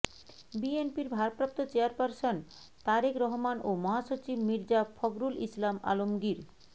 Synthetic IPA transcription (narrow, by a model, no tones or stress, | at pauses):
bienpiɾbʱaɾpɾap̚t̪ot͡ɕeaɾpaɾson | t̪aɾikɾɔɦomanomɔɦaʃot͡ɕibmiɾd͡ʑafʰɔɡɾulislama̰lomɡiɾ